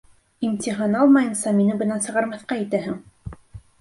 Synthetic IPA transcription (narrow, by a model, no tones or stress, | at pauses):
imt̪ʲiɦɑnɑlˠmɑjɤnsɑminɘbɤ̆nɑnsɤ̆ʁɑɾmɑθqɑĭt̪æɦɘŋ